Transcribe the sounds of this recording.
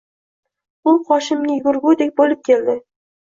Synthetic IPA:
ʊqɒʃɪmnʲɪjɡʲʊɾɡʊd̪ek̚ʲbolɪp̚kʲʰe̞ld̪ɪ

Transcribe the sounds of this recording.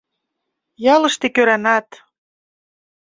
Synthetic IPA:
jɑlə̆ʃt̪ekøɾænɑt̪

